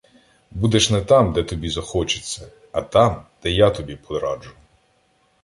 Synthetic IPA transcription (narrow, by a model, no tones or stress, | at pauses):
bud̪ɛʃnɛt̪ɑmd̪ɛt̪ɔbʲizɐxɔt͡ʃe̥t͡sʲːɐ | ɐt̪ɑmd̪̥ɛjat̪ɔbʲipʰɔd̪ɾɑd͡ʒʊ